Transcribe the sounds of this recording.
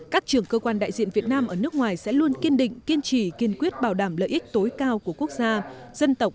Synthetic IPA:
kaː˦˥k̚t͡ɕɨ˨˧˩əŋkəː˧kwaː˧nɗa̰ː˧˨jzḭ˧˨ənvi˨˩ət̚naː˧mʔəː˧˩nɨ˦˥k̚ŋwaː˨˩jsɛ̰˧˥lu˧ənki˧ənɗḭ˧˨ŋ̟ki˧ənt͡ɕi˧˩ki˧˩ənkwi˦˥ət̚ɓaː˨˩wɗaː˧˩mlə̰ː˧˨jʔi˦˥k̟̚t̪o˨˦jkaː˧wku˧˩əku˦˥ək̚zaː˧z̥ə˧nt̪ə˨˩wk͡p̚

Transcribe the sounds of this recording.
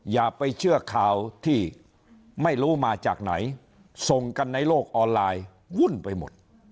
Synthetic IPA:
jaː˨˩k̚pa˧jt͡ɕʰɯ˥˩ɐkʰaː˨˩wt̪ʰiː˥˩ | ma˥˩jɾuː˦˥maː˧t͡ɕaː˨˩k̚na̰˩˦j | so˨ŋka˧nːa˧jloː˥˩k̚ʔɔː˧nlaː˧j | wu˥˩npa˧jmo̰˨˩t̪̚

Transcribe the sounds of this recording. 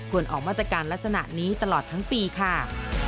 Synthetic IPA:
kʰu˨˩ənʔɔ̰ː˨˩k̚maː˥˩t̪ɾa˧kaː˧nla˦˥k̚sa˧na̰˨˩ʔniː˦˥t̪a˧lɔː˨˩t̪ʰːa˦˥ŋpiː˧kʰa˥˩

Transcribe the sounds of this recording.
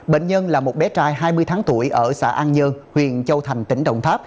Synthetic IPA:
ɓḛ˧˨ŋ̟ɲə˧nlaː˨˩mo˨˩t̚ɓɛ˨˦t͡ɕaː˧jɦaː˧jmɨ˧əjt̪ʰaː˨˦ŋt̪u˧˩əjʔəː˧˩sa̰ː˧˥ʔaː˧nɲə˧nhwḭ˨˩ənt͡ɕə˧wt̪ʰa˨˩jŋ̟t̪ï˧˩ŋ̟ɗə̰˧˨wŋ͡mt̪ʰaː˦˥p̚

